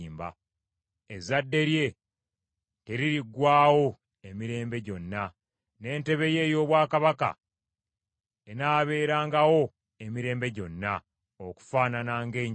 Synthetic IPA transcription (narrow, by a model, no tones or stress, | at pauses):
mba̰ | ezadːe̞ɾje̞ | te̞ɾiɾiɡwaːwo̞ | e̞miɾe̞ːmbe̞ɟo̞nːa | ne̞ːnte̞βe̞je̞ːjo̞ːβwaːkaβaka̰ | enaːβe̞ːɾaːŋɡawo̞ | emiɾe̞ːmbe̞ɟo̞nːa | oku̥faːnanaːŋɡe̞ːɲ